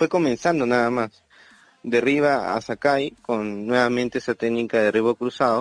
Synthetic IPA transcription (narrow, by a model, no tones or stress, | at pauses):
fwekomẽnsand̪onaðamas | d̪eriβaa̰sakajkonːweβamẽnt̪eesat̪eɡnikaðeriβokɾusaðo